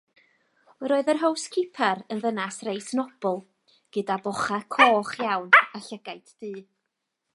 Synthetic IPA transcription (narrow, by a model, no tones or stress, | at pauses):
ɾoːɨðərɦowskʰɪpʰɛɾənðənasrejsnɔb̥ɔlˠ | ɡ̥ədabɔχakʰoːχjawnaɬəɡ̥ajtʰd̥iː